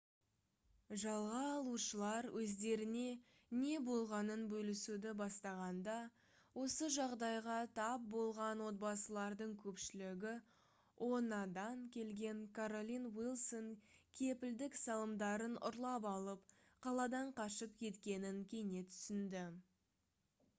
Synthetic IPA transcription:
ʒɑlˠʁɑːlˠuʃəlˠɑɾwʔɵzd̪e̞ɾɪne̞ | ne̞bo̞lˠʁɑnənbɵlɪsud̪ɪbɑst̪ɑʁɑnd̪ɑ | wo̞səʒɑʁd̪ɑjʁɑt̪ʰɑp̚bo̞lˠʁɑnwo̞t̪̚bɑsəlˠɑɾd̪əɴkʲʰɵpʃɪlɪɡʲɪ | wʔo̞nɑd̪ɑŋkʲʰe̞lɡʲe̞ŋkʰaɾo̞lʲinwilˠso̞ŋkʲʰe̞pɪld̪ɪksɑlˠəmd̪ɑɾənʊ̰ɾlˠɑpɑlˠəp̚ | qʰɑlˠɑd̪ɑɴqʰɑʃəp̚kʲʰe̞t̪kʲe̞nɪŋkʲʰe̞jne̞t̪ʰʏ̥sɪnd̪ɪ

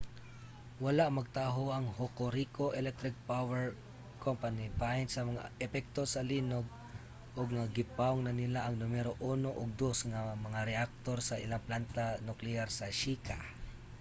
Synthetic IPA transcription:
wɐlaʔmɐɡ̚t̪aːɦoʔɐŋhokoɾikoʔɛlɛk̚t̪ɾɪk̚pawɛɹ | kʰompanibajnsɐmɐŋa̰ɛpɛk̚t̪o̞sɐlinoɡ̚ | ʔoɡ̚ŋaɡɪpawŋnɐnɪlaʔɐŋnʊmɛɾoʔunoʔoɡ̚d̪osŋamɐŋaɾɛʔak̚t̪o̞ɾsɐʔɪlaŋplant̪anʊklɛaɾsɐʃika

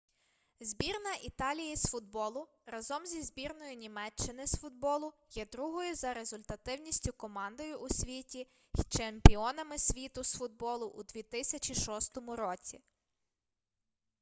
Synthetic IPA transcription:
zʲbʲirnɐʔit̪ɑlʲijisfʊd̪̚bɔlˠʊ | ɾɐzɔmzʲizbʲirnɔjʊnʲimɛt͡ʃːɪnɪsfʊd̪̚bɔlˠʊjɛd̪ɾuɦɔjʊzɐɾe̞zʊlʲt̪ɐt̪ɪwnʲisʲtʲʊkɔmɑnd̪ɔjʊʔusʲʋʲitʲi | t͡ʃemʲpʲiɔnɐmɪsʲʋʲit̪ʊsfʊd̪̚bɔlˠʊʔṵd̪ʲʋʲit̪ɪsʲɐt͡ʃiʃɔst̪ɔmʊɾɔt͡sʲi

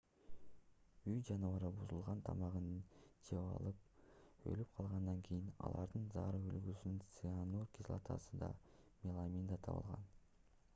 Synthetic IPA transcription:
yjd͡ʒɑnɯvɑɾɯbuzulˠʁɑnt̪ʰɑmɑʁɯnɯt͡ʃʰeβɑ̰lˠɯp̚ø̰lyp̚qʰɑlˠʁɑnd̪ɑŋkʰijinɑ̰lˠɑɾd̪ɯnzɑɾɯylɡysynynt̪sɨanurkʲislˠa̰t̪ʰɑ̰sɯd̪ɑ̰mʲelˠamʲind̪ɑt̪ʰɑ̰βɯ̰lˠʁɑ̰n

